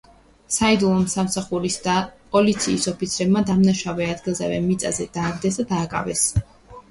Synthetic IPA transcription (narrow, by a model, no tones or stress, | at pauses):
said̪ulˠɔmsamsaχuɾisd̪apʼɔlit̪sʰiːsɔpit̪sʰɾɛbmad̪amnaʃavɛad̪ɡilˠzɛvɛ̰mit̪sʼa̰zɛd̪̥aːɡd̪ɛs̬d̪ad̪aːkʼa̰vɛs